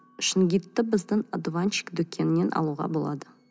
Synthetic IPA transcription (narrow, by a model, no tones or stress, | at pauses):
ʃɪnɡʲijt̪ːɪbɪzd̪ɪŋad̪vant͡ʃi̥kd̪ɵkʲʰːenɪne̞nʔɑ̰lˠuʁɑ̰bo̞lˠɑ̰d̪ə